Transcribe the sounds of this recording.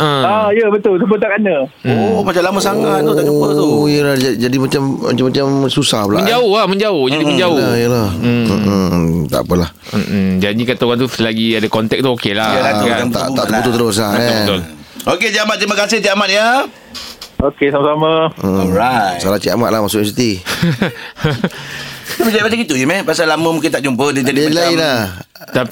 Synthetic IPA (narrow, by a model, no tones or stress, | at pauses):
ajəbət̪ʊlt̪əbət̪akaɲə̃ | omat͡ʃalamasaŋautuəujəlahd͡ʒad͡ʒadimat͡ʃama̰t͡ʃamat͡ʃamsusahpəlaəɲd͡ʒaʊhlahməɲd͡ʒaʊhd͡ʒadiməd͡ʒaʊaijəlah̩ | t̪a̰ʔpəlah̩d͡ʒadikat̪aɣant̪̬uflaɡiadakɔnt̪ɛk̚t̪uokelaəaat̪a̰ʔt̪aʔt̪kut̪ut̪əɾʊs̬lahət̪ʊloket͡ʃiamat̪̚ːɾiməkasɪht͡ʃiamat̪̚ja | okesamasamaəɔɾasalat͡ʃiamat̪̚lahmasʊʔins̬it̪i | dapəd͡ʒaipasaɡit̪ud͡ʒimɛpasalamə̃muŋkɪnt̪aʔd͡ʒumpədiadd͡ʒadilaila | t̪a